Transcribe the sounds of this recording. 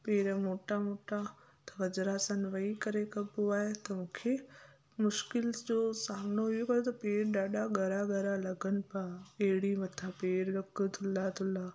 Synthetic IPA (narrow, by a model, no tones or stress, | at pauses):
peːɾəmoːʈamoːʈa | t̪ɐʋɐd͡ʒɾaːsənʋɐikɐɾekɐbuaːɦet̪ɐmʊ̃ːkʰe | mʊʃkɪlsd͡ʑoːsaːmnoɦuokɐɾot̪ɐpeːɾɗaːɗaɡʱɐɾaɡʱɐɾalɐɡənɪ̆paeɦɽimɐt̪ʰapeːɾɾɐkːt̪ʰʊlat̪ʰʊla